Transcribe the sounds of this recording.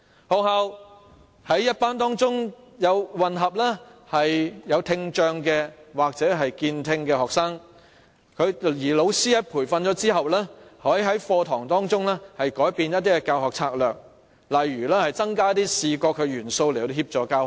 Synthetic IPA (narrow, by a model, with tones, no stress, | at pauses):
ho˨˧haː˧w | hɐ˨˥jːɐ˥t̚paː˥nt̪̬ɔː˥ŋt͡sʊ˥ŋ | jɐ˨˧wwɐ˨nɦɐ˨p̚lɛː˥hɐ˨jjɐ˨˧wt̪ʰɪ˧ŋt͡ʃœː˧ŋkɛ˧waː˨k̚t͡sɛː˨˥ɦɐ˨jkiː˧nt̪ʰɪ˧ŋkɛː˧hɔː˨k̚saː˥ŋ | kʰɵ˨˧ɥjiː˨˩lo˨˧wsiː˥jɐ˥pʰuː˨˩jfɐ˧nt͡ʃɔː˨˥t͡siː˥ɦɐ˨wlɛː˥hɔː˨˥jɦɐ˨˥jfɔː˧t̪ʰɔː˨˩ŋt̪ɔː˥ŋt͡sʊ˥ŋlɛː˥hɐ˨jkɔː˨˥jpiː˨˧njɐ˥t̚t̪iː˥kɛ˧kaː˧whɔː˨k̚t͡sʰaː˧k̚lœː˨k̚ | lɐ˨˩jːyː˨˩lɛː˥hɐ˨jt͡sɐ˥ŋkaː˥t̪iː˥siː˨˧kɔː˧kʰːɵ˨˧ɥjyː˨˩nso˧wle˨˩hiː˧p̚t͡ʃɔː˨˧kaː˧˨